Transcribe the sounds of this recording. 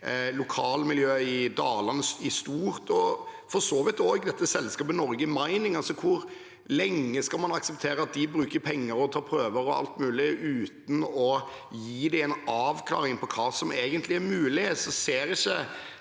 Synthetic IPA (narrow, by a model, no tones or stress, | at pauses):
lʊkʰɑːlmɪljøːɪd̪ɑːlɑnəsɪst̪uːɾt̪ʰɔfɔɾsoːʋɪt̪oɡd̪ɛt̪ːəsɛlskɑːpənɔɾɡəmæɪnɪŋɑlsɔkʰʊɾ | lɛŋːəskɑlmɑnɑksəp̚t̪ʰeːɾəɑt̪̚d̪ɪbɾʉːkəɾpʰɛŋːəɾɔt̪ʰɑːpʰɾøːʋəɾɔɑ̰lt̪mʉːlɪʉːt̪n̩ɔ | jiːd̪ɪɛnɑːʋkʰlɑ̰ːɾɪŋpʰɔkʰɑːsɔmeːɡənt̪lɪæɾmʉːlɪeːt̪sɔseːɾɪçːə